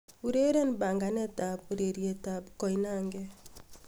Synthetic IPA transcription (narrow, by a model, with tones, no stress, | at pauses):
uɾe˦ɾɛ˦ni˨ba˨ŋɡa˨nɛ˦ta˨buɾe˨ɾjɛ˨ta˨bkɔ˨ina˦ŋɡɛ